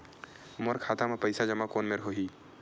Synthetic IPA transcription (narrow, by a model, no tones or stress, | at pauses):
moɾkʰaːt̪amepɐɪsad͡ʒɐmakoːnmeɾɦoːɦiː